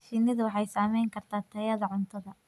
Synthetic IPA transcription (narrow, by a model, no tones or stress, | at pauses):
ʃɪnɪðʊwɑħɑjsaːmɛjŋkʰɐrt̪ʰaːt̪ʰɐjɐðɐʕʊnt̪ʰɐðɐ